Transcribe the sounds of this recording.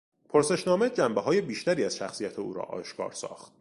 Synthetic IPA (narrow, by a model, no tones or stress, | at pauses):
pʰoɾse̞ʃnɒːme̞d͡ʒæmbeɦɒːje̞biːʃt̪æɾiːæz̥ʃæxsiːjæt̪ʰeuːɾɒ̰ːʔɒ̰ːʃkʰɒ̰ːɾsɒ̰ːxt̪̚